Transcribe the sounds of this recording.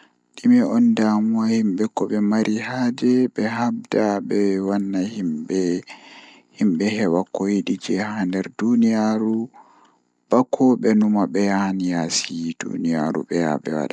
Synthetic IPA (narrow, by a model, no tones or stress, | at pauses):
ɗimɛɔndamuwahimɓɛkːɔɓɛmaɾʔihad͡ʒɛɓɛhabdaɓɛwanːahimɓɛ | himɓɛhɛwakːojiɗid͡ʒɛhandɛɾdunijaɾu | b̥akʰːɔɓɛnumaɓɛjahanjasid̥ṵnija̰ɾṵɓɛja̰ɓɛ̰wa̰ɗa